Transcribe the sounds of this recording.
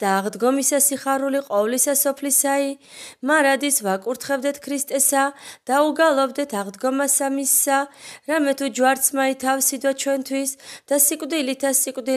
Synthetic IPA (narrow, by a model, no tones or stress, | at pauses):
d̪̥aːʁd̪ɡɔmisasiχaɾuliqʼɔvlisasɔpʰlisai | maɾad̪isvakʼuɾt̪ʰχɛvd̪ɛt̪ʰkʰɾist̪ʼɛsad̪̥auɡalˠɔvd̪ɛt̪ʰaʁd̪ɡɔmasamisːaɾamɛt̪ʰud͡ʒwaɾt̪sʰmait̪ʰafsid̪wat͡ʃʰwɛnt̪ʰwisd̪̥asikʼwd̪ilit̪ʰasikʼd̪i